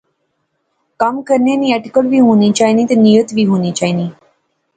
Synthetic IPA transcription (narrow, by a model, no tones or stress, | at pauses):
kamkəɾnjaniaʈikəlbʱiɦonit͡ʃaːɦinĩt̪enijət̪biɦonit͡ʃaɦini